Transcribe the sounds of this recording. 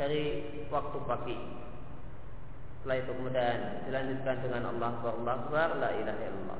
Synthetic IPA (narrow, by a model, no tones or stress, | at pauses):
d̥aɾi | wak̚t̪upaɡi | t̪əlait̪ukmədan | dilaɲd͡ʒʊt̪̚kandəŋanɑ̰lːɑhbaɾɑlːɑhbarlaʔilaɦaḭlɑ̰lˤːɑ̰